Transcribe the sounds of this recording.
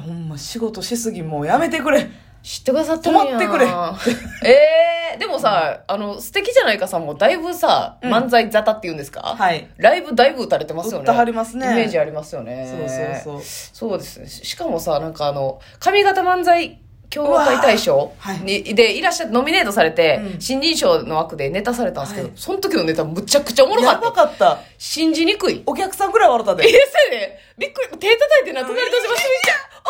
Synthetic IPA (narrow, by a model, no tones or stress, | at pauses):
hõmːaɕiɡo̞t̪o̞ɕisɨɡʲimoːjame̞t̪e̞kɯ̟ɾe | ɕi̥t̪ːe̞kɯd̪asat̪ːẽaeɯ̟ɾe | ed̪e̞mo̞saano̞sɨ̥t̪e̞kʲiʑanaikasamːod̪aibɯ̟sa̰mãnd͡zaizat̪at̪ːe̞iɯ̟̃nd̪esɨ̥ka̰haiɾaibɯ̟d̪aibɯ̟ɯt̪aɾe̞t̪e̞masɨjo̞nːaaɾʲimasɨnieme̞ːʑiaɾʲimasɨjo̞ne̞oːooso̞ːd̪e̞sɨ̥nḛɕi̥kamo̞sanãŋkaːno̞ | kamʲiɡat̪amãnd͡zai | kʲo̞ːzait̪aiɕo̞ːɲid̪e̞iɾaɕːat̪no̞mʲine̞ːt̪o̞saɾe̞t̪e̞ɕĩɲ̟d͡ʑĩɰ̃ɕo̞ːno̞βakɯ̟d̪e̞ne̞t̪asaɾe̞t̪ãnsɨ̥ked̪oso̞nt̪o̞kʲino̞ne̞t̪amɯ̟t͡ɕakɯ̟̥t͡ɕaomo̞ɾokaakat̪ːa | ɕĩɲ̟d͡ʑiɲ̟ikɯ̟iokʲakɯ̟̥sãŋɡɯɾaβaɾot̪ːad̪esene | bʲikːɯɾit̪e̞ːt̪at̪ait̪ːenaonaɾʲit̪oɕimasmia